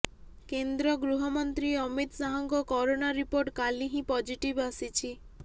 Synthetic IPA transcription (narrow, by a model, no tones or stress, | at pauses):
kend̪ɾɔɡɾuɦɔmɔnt̪ɾiɔmit̪saɦɔŋkɔkɔɾonaɾipoɾʈkaliɦĩpɔd͡ʒiʈibasit͡ʃʰi